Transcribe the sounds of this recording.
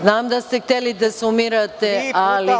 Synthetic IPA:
naːmd̪ɐst̪ik̚t̪elid̪ɐsumiɾɐt̪ːeaːli

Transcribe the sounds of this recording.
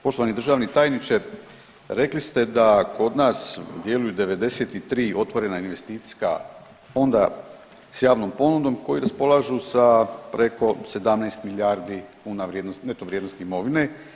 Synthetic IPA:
po̞ʃt̪oanid̪r̩ʒaʋnit̪aːjnit͡ʃeɾ | ɾe̞klist̪e̞d̪ako̞d̪naːsd̪je̞lujud̪e̞ʋe̞d̪e̞se̞t̪it̪ɾiːʔo̞t̪ʋo̞ɾe̞nainʋe̞st̪iːt̪si̥ska̰ | fo̞nd̪a | sjaːʋno̞mpo̞nud̪o̞mko̞jiɾaspo̞lˠaʒusapɾe̞ko̞se̞d̪amnajst̪miljaːɾd̪ikuːnaʋɾjed̪nost̪net̪oʋɾʲjed̪no̞st̪iːmo̞ʋine̞

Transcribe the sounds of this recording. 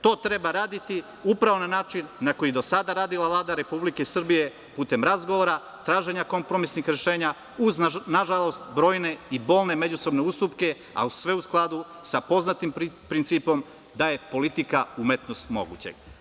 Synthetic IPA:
t̪o̞ːt̪ɾe̞baɾaːd̪it̪i | upɾaʋo̞nanaːt͡ʃinːako̞jid̪o̞sad̪aɾaːd̪ilaʋlˠaːd̪aɾe̞publikeisr̩bije̞ | puːt̪e̞mɾazɡoʋoɾa | t̪ɾaːʒe̞ɲako̞mpɾo̞misnixɾe̞ʃe̞ːɲa | uznaʒalˠo̞st̪bɾo̞ːjne̞ibo̞ːlne̞me̞d͡ʑuso̞bneust̪upke̞ | a̰usʋe̞usklˠad̪u | sapo̞znat̪impɾint̪siːpo̞m | d̪aje̞po̞lit̪ikaumet̪no̞st̪mo̞̰ɡṵt͡ɕe̞̰ɡ

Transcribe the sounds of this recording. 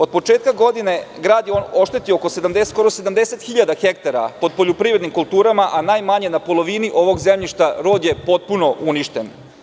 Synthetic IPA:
o̞d̪̚po̞t͡ʃeːt̪̚kaɡo̞d̪ine̞ɡɾaːd̪jeoːno̞ʃt̪et̪iooko̞se̞d̪amd̪esko̞ɾo̞se̞d̪amd̪e̞se̞t̪xiʎad̪axek̚t̪aɾapo̞d̪̚po̞ʎopɾiːvɾed̪nimkulˠt̪uːɾamaʔanaːjmaɲe̞napo̞lˠo̞ʋiniʔo̞ʋo̞ɡzemʎiʃt̪aɾo̞ːd̪je̞po̞t̪̚puno̞ʔuniʃt̪e̞n

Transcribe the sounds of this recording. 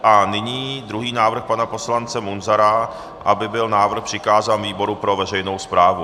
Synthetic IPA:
ʔanɪɲiːd̪ɾuɦiːnaːvr̩xpanapo̞slant͡sɛmunzaɾa | ʔabɪbɪlnaːvr̩xpr̥ɪkaːzaːnviːbo̞ɾupɾo̞vɛrɛjno̞wspɾaːvu

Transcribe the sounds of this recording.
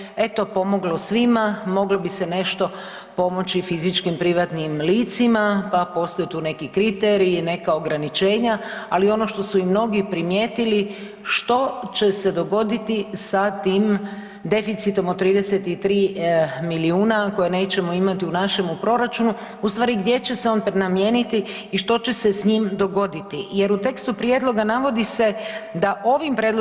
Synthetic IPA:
e̞t̪o̞po̞mo̞ɡlo̞sʋimamo̞ɡlobise̞ne̞ʃt̪o̞ | po̞mo̞t͡ɕifizit͡ʃkimpɾiʋat̪nimliːt̪simapapo̞st̪ojet̪uːne̞kikɾit̪eɾine̞kao̞ɡɾanit͡ʃe̞ːɲaalio̞no̞ʃt̪o̞suimno̞ɡipɾimje̞ːt̪ili | ʃt̪o̞t͡ɕe̞se̞d̪o̞ɡo̞d̪it̪isat̪iːm | d̪e̞fit̪sit̪o̞mot̪ːɾiːd̪eset̪it̪ɾiːmiliuːnako̞jene̞ːt͡ɕe̞mo̞imat̪iunaʃe̞mupɾo̞ɾat͡ʃunu | ust̪ʋaːɾiɡd̪je̞t͡ɕe̞seo̞npɾenamje̞ːnit̪iː | ʃt̪o̞t͡ɕe̞se̞sɲiːmd̪o̞ɡo̞d̪it̪ije̞ɾut̪e̞kst̪upɾjed̪lˠo̞ɡanaʋo̞d̪ise̞d̪aʔo̞ʋimpɾjed̪l

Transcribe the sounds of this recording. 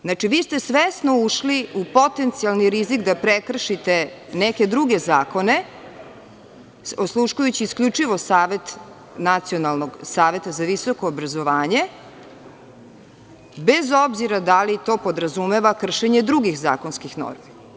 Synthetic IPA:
znat͡ʃiʋiːst̪e̞sʋesnouʃliupo̞t̪e̞nt̪sialniɾizikd̪apɾekr̩ʃit̪eneke̞d̪ɾuɡe̞zaːko̞ne̞ | oslˠuʃkujut͡ɕiːskʎʲut͡ʂiʋo̞saːʋe̞t̪ | nat̪sio̞nalˠnoɡsaːʋe̞t̪azaʋiso̞ko̞ːbɾazo̞ʋaːɲe̞ | be̞zo̞bziɾad̪alit̪o̞ːpo̞d̪ɾazumeʋakr̩ʃe̞ɲed̪ɾuɡixza̰ːko̞nskixno̰ɾmi

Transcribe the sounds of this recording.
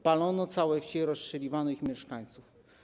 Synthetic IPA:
palɔnɔt̪sawɛft͡ɕɛɾɔsʂɛlʲivanɔixmʲjɛʂkaɲt̪suf

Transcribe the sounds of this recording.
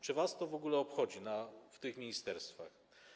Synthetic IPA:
t͡ʂɘvast̪ɔvɔɡulɛɔpxɔd͡ʑinaft̪ɘxmʲiɲist̪ɛɾst̪fa̰x

